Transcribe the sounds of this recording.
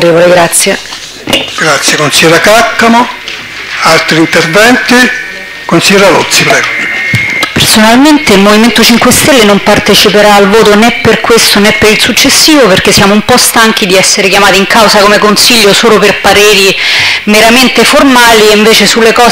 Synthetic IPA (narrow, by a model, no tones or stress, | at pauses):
ɾeːvoleɡɾat̪sːje | ɡ̥ɾat̪sːjekonsiɛɾakakːamo | alt̪ɾint̪ervɛnt̪i | konsiɛɾalot̪sːipɾɛːɡo | personalment̪eilmoviment̪ot͡ʃiŋkwest̪elːenompart̪et͡ʃipeɾaːlvoːt̪onɛpːerkwest̪onɛpːeɾilsut͡ʃːesːiːvoperk̟esːjaːmoumpɔst̪aŋk̟id̪iɛsːeɾekjamaːt̪iiŋkawzakomekonsiʎːosoːloperpaɾeːɾi | meɾament̪eformaːlieɱveːt͡ʃesulːekɔː